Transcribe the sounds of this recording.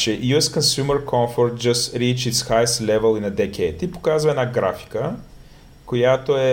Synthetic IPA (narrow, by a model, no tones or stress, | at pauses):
t͡ʃɛjuɛskə̃nsjuməɾkʰɔ̃ɱfoɾt̪̚d͡ʒɐstɾit͡ʃɪtsxajslɛvəlˠinɐd̪ɛkʰʲɛt̪ipo̥kazvɐɛnaɡɾafi̥kə | kojat̪oɛ